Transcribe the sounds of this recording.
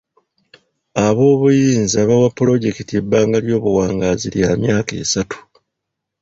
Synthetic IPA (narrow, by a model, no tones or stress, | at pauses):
aβo̞ːβujiːnziaːβawapːulo̞ɟe̞kitie̞baːŋɡaljo̞ːβuwaːŋɡaːziljaːmjaːke̞̰ːsatʰu̥